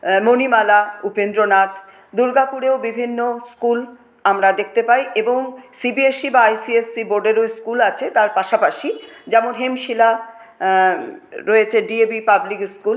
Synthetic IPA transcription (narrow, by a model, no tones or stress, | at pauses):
monimalaupend̪ɾonat̪ | d̪uɾɡapuɾeobibʱinːoskul | amɾad̪ek̚ʰt̪epaiʔeboŋsibieʃibaajsiesːiboɾɖeɾojskulat͡ɕʰet̪aɾpaʃapaʃid͡ʑɛmonɦemʃila | ɾɔet͡ɕʰeɖiebipablikskul